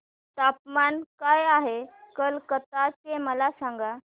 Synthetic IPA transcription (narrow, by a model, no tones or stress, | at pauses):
t̪ap̚mankajaɦekəlkət̪ateməlasãŋɡa